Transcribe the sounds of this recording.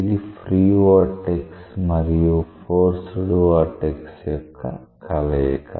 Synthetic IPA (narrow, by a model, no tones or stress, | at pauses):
ilipɾiːʋoːʈeksmɐɾijupoːɾsuɽuʋaʈeksjjɔkʰːɐ̰ | kʰɐlɐjḛkʰːɐ̰